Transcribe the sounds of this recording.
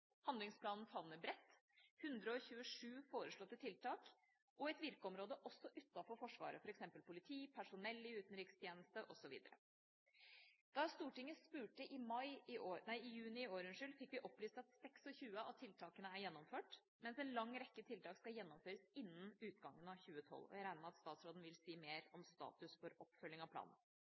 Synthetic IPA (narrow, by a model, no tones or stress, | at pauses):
hɑnd̪lɪŋspʰlɑːnn̩fɑʋnəbɾɛt̪ːhʉnd̪ɾəɔçʉːəʂʉːfoːɾəʂɭɔt̪ːət̪ʰɪlt̪ʰɑːk | ʔɔɛt̪ʋɪɾkəɔmɾoːd̪əʔɔsːɔʔʉt̪ːɑfɔɾfɔʂʋɑ̰ːɾə̰fɔɾɛksɛmpəlpʰʊlɪt̪ʰiːpʰæʂʊnɛlːɪʉːt̪n̩ɾiːkst̪ʰjeːnəst̪əʔɔsɔʋḭːd̪əɾə̰ | d̪̥ɑst̪uːʈɪŋːəspʉːʈəʔɪmɑɪɪoːnæɪɪjʉːnɪɪoːɾʉnʂʏlfɪkːʋɪʔɔpːlyːst̪ɑt̪sɛksɔçʉːəɑt̪ʰːɪlt̪ʰɑːkənəæɾjɛnːɔmføːʈ | mɛnsɛnlɑŋːɾɛkːət̪ʰɪlt̪ɑːkskɑljɛnːɔmføːɾəsɪnːənʉːt̪ɡɑŋːənɑʋçʉːət̪ʰɔ̰lɔ̰jæɾæɪnɑɑt̪st̪ɑːt̪sɾoːd̪n̩ʋɪlsiːmeːɾɔmst̪ɑ̰ːt̪ʉsfɔɾɔpːfœlːɪŋɑʋpʰlɑ̰ːnən̩